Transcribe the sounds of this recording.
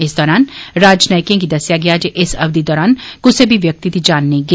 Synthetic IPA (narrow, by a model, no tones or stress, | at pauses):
ɪsd̪ɔːɾaːnɾaːd͡ʒnaːjkẽːɡiːd̪əsjaːɡɪjaːd͡ʒeʔɪsɐbd̪iːd̪ɔːɾaːnkʊsebʱiʋjək̚t̪iːd̪iːd͡ʒaːnːeĩɡe